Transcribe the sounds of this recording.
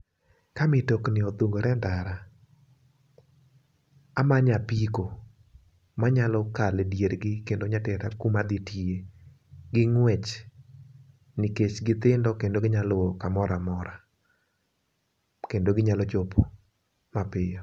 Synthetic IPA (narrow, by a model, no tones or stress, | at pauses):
kamɪtoknɪɔt̪uŋɡoɾɛndaɾa | amaɲapiko | maɲalɔkaldjeɾɡɪkendoɲatɛɾakumad̪ɪtie | ɡɪŋwɛt͡ʃ | nɪket͡ʃɡɪt̪ɪndɔkendoɡɪɲalɔkamɔɾamɔɾa | kendoɡɪɲalɔt͡ʃopo | mapɪjɔ